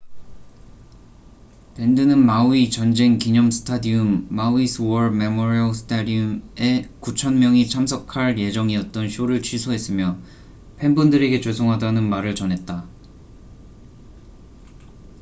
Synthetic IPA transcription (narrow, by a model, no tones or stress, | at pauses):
pe̞ndɯnɯnmauit͡ɕʌnd͡ʑe̞ŋkiɲʌmsʰɯ̥tʰadiumːawisʰɯwʌɾme̞moɾiʌsʰɯ̥tʰadiume̞kut͡ɕʰʌnmjʌŋit͡ɕʰamsʰʌkʰaɭje̞d͡ʑʌŋiʌt̚t͈ʌnɕʰjoɾɯɭt͡ɕʰɥisʰoɦe̞s͈ɯmjʌ | pʰe̞nbundɯɾe̞ɡe̞t͡ɕosʰoŋɦadanɯnmaɾɯɭt͡ɕʌnɦe̞t̚t͈a